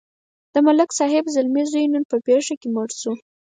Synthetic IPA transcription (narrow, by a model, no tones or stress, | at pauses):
d̪̥əmalɪksɑɦɪbzalmizujnənpəpeʂakemaɽsu